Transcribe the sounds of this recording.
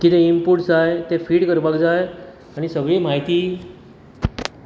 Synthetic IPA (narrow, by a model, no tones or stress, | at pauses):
kit̪eimpuʈd͡zajt̪efiːʈkəɾbakd͡zaj | aɽ̃isəɡɭiːmaɦit̪iː